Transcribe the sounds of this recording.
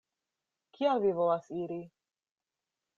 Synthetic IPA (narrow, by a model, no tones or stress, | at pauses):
kʰialvivolasiɾi